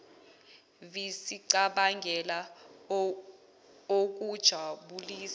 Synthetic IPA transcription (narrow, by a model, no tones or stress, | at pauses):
visiǀaɓaŋɡʱɛla | ok̬ʼud̥ʒ̥ʱaɓuliːs